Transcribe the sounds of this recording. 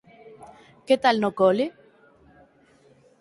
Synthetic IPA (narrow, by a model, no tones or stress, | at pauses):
ket̪alnokolɪ